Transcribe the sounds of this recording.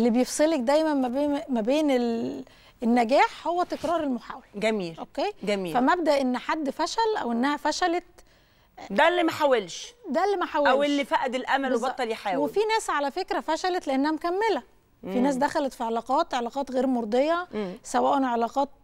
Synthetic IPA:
ʔelːibejefsˤelek̚d̪æjmænmæbeːmæbeːnel | enːæɡæːħhowːæt̪ekɾˤɑːɾˤelmoħaːwælɡæmiːlʔokːeːɡæmiːfæmæb̚d̪æʔenːħad̪ːfæʃælʔæ̰wʔenːæhæfæʃælæt̪ | d̪ælːimæħawelʃd̪ælːimæħawææwelːifæʔd̪elʔæmælwebɑt̪ˤːɑljiħawefinæːsʕalæfekɾæfæʃælæt̪leʔenːæhæmkæmːelæ | finæːs̬d̪æxælæt̪fiʕelɑːqɑːt̪ʕelɑqɑːt̪ɣeːɾmoɾˤd̪ˤejːɑsæwæːʔænʕelɑːqɑːt̪̚

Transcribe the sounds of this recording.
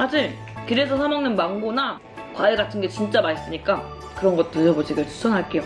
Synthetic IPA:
had͡ʑiɭ | kɯɾe̞sʰʌsʰamaŋnɯnmaŋɡona | kwaeɡatʰɯnɡe̞t͡ɕint͡ɕ͈amais͈ɯɲik͈a | kɯɾʌnɡʌt͈ɯɾʌɡot͡ɕʰeɡetu̥sʰʌnɦaɭk͈e̞jo

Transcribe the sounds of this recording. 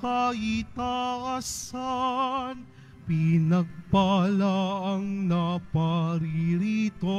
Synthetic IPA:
kɐit̪aʔasan | pinɐɡ̚pɐlaʔɐŋnɐpɐɾiɾit̪o

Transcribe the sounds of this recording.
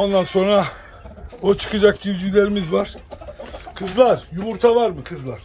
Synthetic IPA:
o̞nd̪anso̞nɾa | ot͡ʃʰɯ̥kʰɯd͡ʒakt͡ʃyjd͡ʒycʲlʲe̞ɾimizvaɾ̥ | kʰɯzlˠaɾjumuɾt̪ʰavaɾmɯkʰɯzlˠaɾ̥

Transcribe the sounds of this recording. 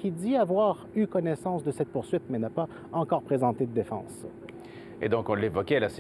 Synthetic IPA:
kʲid̪iavwaʁykɔnɛsɑ̃sd̪əsɛt̪̚puʁsɥit̪mɛnapa | ɑ̃kɔːʁpχezɑ̃t̪ed̪əd̪efɑ̰̃ːs | ḛd̪ɔ̃kɔ̃levɔkʲɛlas

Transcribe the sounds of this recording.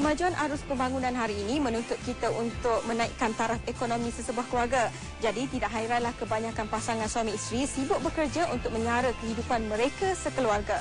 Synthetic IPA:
kəmad͡ʒuanʔaɾʊspəmbaŋunãnɦaɾiːnĩmə̃nũnt̪ʊt̪̚kit̪aʔunt̪ʊk̚mə̃nãḭʔkant̪aɾap̚ekonõmĩsəsəbuahkəluarɡa | d͡ʒadit̪idaʔɦaiɾanlahkəbaɲãkanpasaŋanswamiist̪ɾisibʊʔ̚bəkərd͡ʒaʔunt̪ʊk̚mə̃ɲaɾəkəɦidupanmə̃ɾekasəkəluarɡa

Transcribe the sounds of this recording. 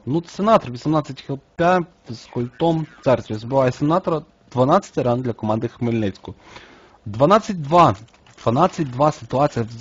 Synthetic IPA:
not̪sʲɛnat̪oɾvʲisɛmnat̪sɛt̪ʲixɛt̪ʲa | skolʲt̪ɔmt̪saɾʲt̪ɛsbɛlˠaɛsʲɛnat̪oɾə | d̪̥vɐnat̪sɛ̥t̪ʲɾand̪lʲɐkomand̪əxmɛlʲnɛt̪sʲko | d̪vanat̪sɛt̪ʲd̪va | d̪vɐnat̪sʲɛt̪ʲid̪vasʲit̪uat̪sijəv

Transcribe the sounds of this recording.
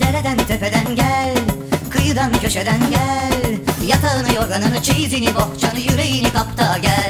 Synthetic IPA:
d̪ɛɾɛd̪ænt̪ʰøpɛd̪ænɟælʲkʰɯjɯd̪ɑncʰøʃɛd̪ænɟælʲjɑk̪ʰaɯnɯjoɾɡanɯnɯt͡ʃʰijziniboht͡ʃʰanɯjyɾɛjinikʰap̚t̪ʰɑɟælʲ

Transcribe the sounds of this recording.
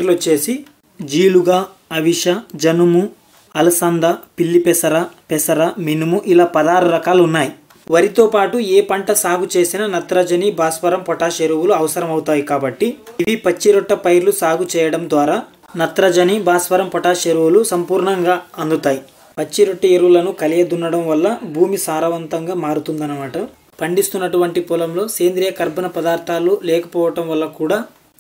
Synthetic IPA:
ɾlot͡ʃːe̞ːsi | d͡ʒiːluɡaː | ɐʋiʃɐd͡ʒɐnumu | ɐlɐsɐnd̪ɐpilːipɛsɐɾɐpɛsɐɾɐminumuʔilaːpɐd̪aːɾɐɾɐkaːlunːaːji | ʋɐɾit̪o̞ːpaːʈueːpɐɳʈɐsaːɡut͡ʃe̞ːsinɐnɐt̪ɾɐd͡ʒɐnibaːspɐɾɐmpɔʈaːʃeɾuwuluɐʋɐsɐɾɐmɐwut̪aːjikaːbɐʈːiiʋipɐt͡ʃːiɾɔʈːɐpɐjɾlusaːɡut͡ʃɛːjɐɽɐmd̪ʋaːɾaː | nɐt̪ɾɐd͡ʒɐnibaːspɐɾɐmpɔʈaːʃeɾuwulusɐmpuːɾɳɐŋɡaːɐnd̪ut̪aːji | pɐt͡ʃːiɾoʈːɐeɾuwulɐnukɐlijɐd̪unːɐɽɐmʋɐlːɐbʱuːmisaːɾɐʋɐnt̪ɐŋɡaːmaːɾut̪und̪ɐnɐmaːʈɐ | pɐɳɖist̪unːɐʈuʋɐɳʈipulɐmlo̞ːke̞ːnd̪ɾijɐkɐɾbʱɐnɐpɐd̪aːɾt̪ʰaːlːulɛːkɐ̥pɔːʋɐʈɐmʋɐlːɐkuːɽaː

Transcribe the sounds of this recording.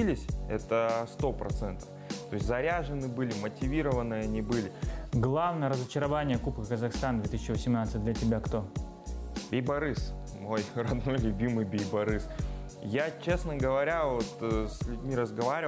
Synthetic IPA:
ilʲɪsʲɛ̰t̪əst̪o̞pɾɐ̰t̪sɛnt̪ə̥ft̪o̞ɪsʲtʲzɐɾʲaʐɨnɨbɨlʲɪmətʲɪvʲiɾəvənɨjɐnʲibɨlʲɪɡlˠavnəjəɾəzət͡ɕɪɾɐvanʲɪjəkupkəkəzɐxst̪and̪vʲe̞t̪ɨsʲt͡ɕːɪvəsʲɪmnat̪sɨt̚ʲd̪lʲətʲɪbʲakt̪o̞ | bʲejbɐɾɨs | mo̞jrɐd̪no̞jlʲʊbʲimɨjbʲejbɐɾɨs | jat͡ɕe̞snəɡəvɐɾʲavot̪sʲlʲʊdʲmʲiɾəzɡɐvaɾʲɪ

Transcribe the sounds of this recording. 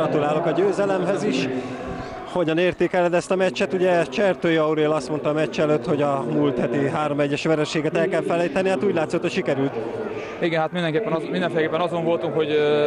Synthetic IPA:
ɒt̪ulaːlo̞kɒɟøːzɛlɛmɦɛziʃ | ho̞ɟɒneːrt̪eːkɛlːɛd̪ɛst̪ɒmɛt͡ʃːɛt̪uɟɛt͡ʃɛrt̪øːjɒuɾeːlɒst̪mo̞nt̪ɒːmɛt͡ʃːɛløːt̪ho̞ɟɒmult̪hɛt̪iɦaːɾo̞mɛɟːɛʃʋɛɾɛʃeːɡɛt̪ɛlkɛlfɛlɛjt̪ɛnihat̪uːɟlaːt̪sot̪hocʃikɛɾylt̪ | iɡɛnɦat̪mind̪ɛŋkeːpːɛnind̪ɛnfelɛkeːpːɛnɒzoɱvo̞lt̪uŋkho̞ɟ

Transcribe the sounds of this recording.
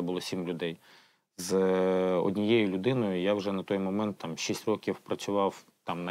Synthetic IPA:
ɛbʊlˠɔsʲimlʲʊd̪ɛj | z | ɔ̰dʲnʲijɛjʊlʲʊd̪ɪnɔjʊjawʒɛnɐt̪ɔjmɔmɛnt̪ːɑmʃisʲtʲrɔkʲiwpɾɐt͡sʲʊʋɑw | t̪ɑmnɐ

